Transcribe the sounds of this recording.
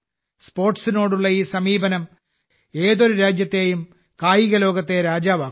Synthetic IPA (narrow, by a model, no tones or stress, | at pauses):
spo̞ːrʈsino̞ːɽuɭːɐiːsɐmiːbɐnɐm | e̞ːðo̞ɾuɾaːd͡ʑjɐt̪ːe̞jum | kaːjiɣɐlo̞ːɡɐt̪ːe̞ɾaːd͡ʑaːʋaː